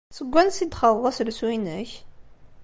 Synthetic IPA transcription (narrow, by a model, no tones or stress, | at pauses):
səɡʷːænsid̪χəɾˤðˤɑslswinæç